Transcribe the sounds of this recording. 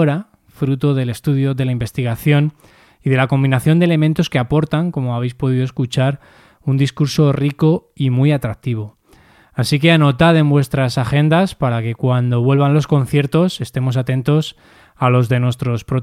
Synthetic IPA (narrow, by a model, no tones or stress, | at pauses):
oɾa | fɾut̪o̞ðe̞le̞st̪uðjo̞ðe̞laimbe̞st̪iɣ̞aθjo̞n | iðe̞lako̞mbinaθjo̞nd̪ele̞mẽnt̪o̞ske̞apo̞ɾt̪aŋko̞moaβ̞e̞jspo̞ð̞iðoe̞skut͡ʃaɾ | und̪iskuɾso̞riko̞ | imujat̪ɾak̚t̪iβ̞o̞ | asike̞ano̞t̪aðe̞mbwe̞st̪ɾasaxe̞nd̪aspaɾake̞kwand̪o̞βwe̞lβ̞anlo̞sko̞n̟θje̞ɾt̪o̞se̞st̪e̞mo̞s̬at̪ẽ̞nt̪o̞s | alo̞zðe̞nwe̞st̪ɾo̞spɾo